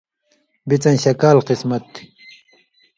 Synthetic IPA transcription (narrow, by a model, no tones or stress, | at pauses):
bit͡sɐ̃nɕɐkaːlqismɐt̪ːi̥